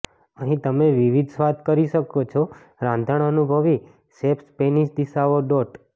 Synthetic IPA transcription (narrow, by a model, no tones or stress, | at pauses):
əɦĩt̪əmeʋiʋid̪ʱsʋat̪kəɾiʃəkot͡ʃʰo | ɾãnd̪ʱəɳənubʱəʋi | sepspeniʃd̪iʃaʋoɖoʈ